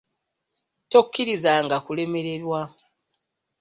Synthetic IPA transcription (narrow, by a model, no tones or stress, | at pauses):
to̞kːiɾizaŋɡakule̞me̞ɾe̞ɾwa